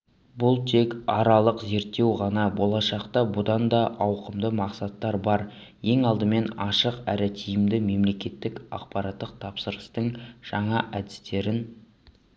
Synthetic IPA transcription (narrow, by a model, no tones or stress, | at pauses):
bʊlˠt̪ʰe̞kɑɾɑlˠəqze̞ɾt̪ːe̞wʁɑnɑbo̞lˠɑʃɑqt̪ɑbʊd̪ɑnd̪ɑʔɑwqəmd̪əmɑqsɑt̪ːɑɾbɑɾ | je̞ŋɑlˠd̪əme̞nɑʃəqæ̰ɾɪt̪ʰijɪmd̪ɪme̞mle̞kʲe̞t̪ːɪkɑ̰qpɑɾɑt̪ːəq̚t̪ʰɑpsəɾəst̪əɴʒ̥ɑɴɑʔæd̪ɪst̪e̞ɾɪn